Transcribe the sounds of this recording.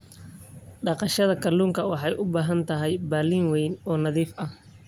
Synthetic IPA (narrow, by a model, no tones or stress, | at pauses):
ɖɑqɑʃɐðɐkʰɐluːŋkʰɐwɑħɑjʔʊbaːɦɐnt̪ʰɐɦɛjbaːliːŋwɛjnɔːnɐðiːfɐh